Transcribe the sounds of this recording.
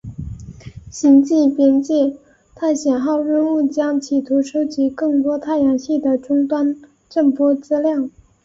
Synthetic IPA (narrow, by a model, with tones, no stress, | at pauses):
ɕi˧˥nt͡ɕi˥˩pjɛ˥nt͡ɕɛ˥˩ | t̪ʰa˥˩ɕjɛ˨˩nxɑ˥˧ʊɻə˥˧nu˥˩t͡ɕjɑ˥ŋt͡ɕʰi˨˩t̪ʰu˧˥ʂo˥ʊt͡ɕi˧˥kɤ˥˩ŋt̪wɔ˥t̪ʰa˥˩ɪjɑ˧˥ŋɕi˥˩d̪ə˩ʈ͡ʂʊ˥ŋt̪wa˥n | ʈ͡ʂə˥˩ŋpwɔ˥t͡sɹ̩˥ljɑ˥˩ŋ